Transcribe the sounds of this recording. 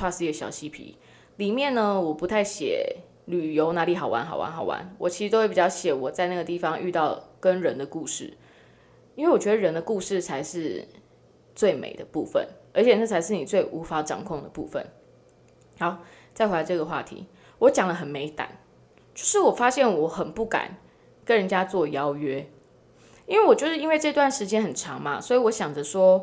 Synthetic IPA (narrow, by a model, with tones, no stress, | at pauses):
wa˥˧ʂɻ̩˥˩˧i˧ɡə˧˩ɕjɑ̰˨˩ʊɕi˦˥pʰḭ˧˦ | li˨˩mjɛ˥˨nnə˨wɔ˨˩pu˧˥t̪ʰa˥˩ɪɕjɛ̰˨˩˦ | ly˨˩jo˧˥ʊna˧˥li˨˩xɑ˨˩ʊwa̰˧˦nxɑ˨˩ʊwa̰˧˦nxɑ˨˩ʊwa̰˧˦nwʔɔ̰˨˩t͡ɕʰi˧˥ɻ̩˧o˥we˥˩pi˨˩t͡ɕjɑ˥˧ʊɕjɛ˨˩wɔ˨˩t͡sa˥˧ɪna˥˩ɡə˩t̪i˥˩fɑ˨˦ŋʔy̰˥˧t̪ɑ˥˩ʊkə˦nɻə˧˦nd̪ə˨ku˥˧ʂɻ̩̰˥˩ | i˥nwe˥˩ɪwɔ˨˩t͡ɕɥɛ˧d̪ə˧ɻə˧˦nd̪ə˧ku˥˧ʂɻ̩˥˩t͡sʰa˧˥ɪʂɻ̩˥˧ | t͡swe˥˩ɪmḛ˨˩ɪd̪ə˦pṵ˥˧fə̰˨˩nə˞˧˥t͡ɕʰjɛ˨˩na˥˩t͡sʰa˧˥ɪʂɻ̩˥˩ni˨˩t͡swe˥˩ɪʔu˧˥fa˧˥ʈ͡ʂɑ̰˨˩ŋkʰʊ˥˩ŋd̪ə˩pṵ˥˧fə̰˨n | hɑ˧˦ʊ | t͡sa˥˩ɪxe˧˥˧la˧ɪʈ͡ʂɤ˥˩ɡə˩xwa̰˥˨t̪ʰḭ˧˥ | wɔ˧˥t͡ɕjɑ˨˩ŋlə˦ɦə˨˩nme˧˥ɪt̪a̰˨˩˦n | t͡ɕjo˥˧ʊʂɻ̩˥˩wɔ˨˩fa˦˥ɕjɛ˥˩nwɔ˧˦xə˨˩npu˥˩ka̰˨˩˦n | kə˦nɻə˧˦nt͡ɕja˦˥t͡swɔ˥˨jɑ˥ʊɥɛ˥ | i˥nwe˥˩ɪwɔ˨˩t͡ɕjo˥˧ʊʂɻ̩˥˩i˥nwe˥˧ɤ˥˧i˧t̪wa˥˩nʂɻ̩˧˥t͡ɕjɛ˥nxə˨˩nʈ͡ʂʰɑ˧˦˥ŋma̰˧swɔ˧˥i˨wɔ˧˦ɕjɑ˨˩ŋd͡zə˨˦ʂwɔ˦˥